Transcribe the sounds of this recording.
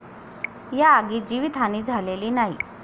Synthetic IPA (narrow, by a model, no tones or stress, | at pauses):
jaːɡiːd͡ʑiʋit̪ʰaniːd͡zʱaleliːnaɦi